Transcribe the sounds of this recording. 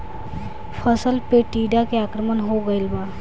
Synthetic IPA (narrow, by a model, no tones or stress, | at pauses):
pʰəsəlpeʈiːɖakeaːkɾəmənɦoɡəelba